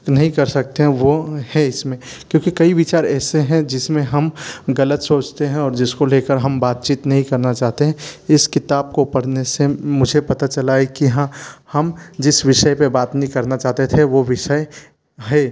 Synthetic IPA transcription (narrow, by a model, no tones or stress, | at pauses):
nɐɦĩkɐɾsɐk̚t̪eɦɛ̃ʋohɛ̃ɪsmẽ | kjõːkikɐiʋɪt͡ʃaːɾɛːseɦɛ̃d͡ʒɪsmẽɦɐmɣɐlət̪soːt͡ʃt̪eɦɛ̃ɔːɾd͡ʒɪskoleːkəɾɦɐmbaːt̪̚t͡ʃiːt̪nɐɦĩkɐɾnat͡ʃaːɦt̪eɦɛ̃ɪskɪt̪aːb̚kopɐɽnesemʊd͡ʒʱepɐt̪at͡ʃɐlaːekiɦãhɐmd͡ʒɪsʋɪʃəjpebaːt̪nɐɦĩkɐɾnat͡ʃaːɦt̪et̪ʰeʋoʋɪʃəe | ɦɛː